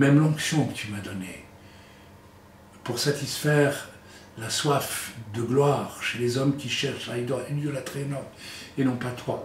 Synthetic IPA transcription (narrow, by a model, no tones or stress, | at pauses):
mɛmlɑ̃ksjɔ̃kə̥t̪ymad̪ɔne | puʁsat̪isfɛʁ | laswafd̪əɡlwaːʁʃelezɔmkʲiʃɛʁʃaid̪ɔʁyljølat̪χenɔʁmenɔ̃pat̪ʰwa